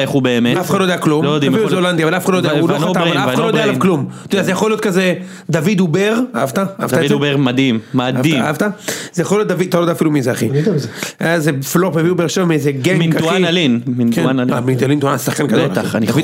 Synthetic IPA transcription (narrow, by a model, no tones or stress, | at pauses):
eχubeemeafχadlod̪ejaklumlojod̪iamfiluzeoland̪iavalafχadlodauoataaaaaloddalaavklumt̪odɛazejaχolijot̪̚kaze | d̪avid̪ubeʁaavt̪aaa̰vt̪aebeʁmad̪imːadaiavt̪az̥ejaχoljot̚d̪avid̪at̪alod̪ɛafilumizeaχid̪azeflopmeviubeʁʃevamiezeɡeŋminauialinminkeanamind̪alind̪uansaχkanɡad̪olt̪aanidavi